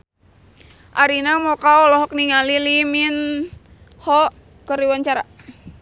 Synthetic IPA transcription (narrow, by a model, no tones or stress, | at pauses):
ʔaɾinamɔkaɔlɔɦɔk̚niŋalilimin | hɔ | kəɾiwaɲt͡ʃaɾa